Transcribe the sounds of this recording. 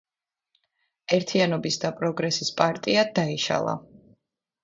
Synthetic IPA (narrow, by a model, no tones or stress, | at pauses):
ɛɾt̪ʰianɔbisd̪apʼɾɔɡɾɛsispʼaɾt̪ʼiad̪aiʃa̰lˠa̰